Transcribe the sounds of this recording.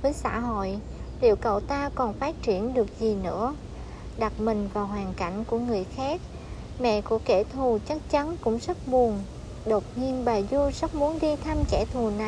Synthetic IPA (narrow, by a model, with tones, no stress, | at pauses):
vəː˨˦jsa̰ː˧˥ɦo̰˧˨j | lḭ˧˨əwkə̰˧˨wt̪aː˧kɔ˨˩nfaː˦˥t̚t͡ɕi˧˩ənɗɨ˨˩ək̚zi˨˩nɨ̰˧˥ə | ɗa˨˩t̚mï˨˩ŋ̟vaː˨˩wɦwaː˨˩ŋka̰˧˩jŋ̟ku˧˩əŋɨ˨˩əjxaː˦˥k̚ | mɛ̰˧˨kṵ˧˩əke˧˩t̪ʰu˨˩t͡ɕa˦˥k̚t͡ɕa˨˦nkʊ̰˧˥ŋ͡mzə˦˥t̚ɓu˨˩ən | ɗo˨˩t̚ɲi˧ənɓaː˨˩jzu˧zə˦˥k͡p̚mu˨˦ənɗi˧t̪ʰa˧mkɛ˧˩t̪ʰu˨˩na˨˩